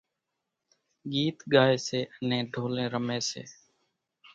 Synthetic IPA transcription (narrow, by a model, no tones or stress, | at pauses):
ɡiːt̪ɠaːeːseːʔənẽːɖʱoːlẽːɾəmẽːsḛː